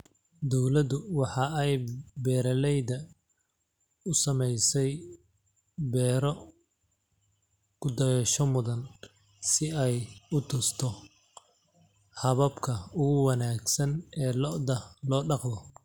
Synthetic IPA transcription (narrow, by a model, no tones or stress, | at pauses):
d̪ɔwlɐdʊwɑħɑɛjbɛːɾɐlɛjðɐ | ʊsɐmɛjsɛj | bɛːɾɔ | kʰʊd̪ɐjɛʃɔmʊðɐn | sɪɛjʊt̪ʰʊst̪ʰɔ | hɐβɐbkʰɐʊɣʊwɑnaːɡsɐnɛːlɔʔd̪ɐlɔːɖɑqðɔ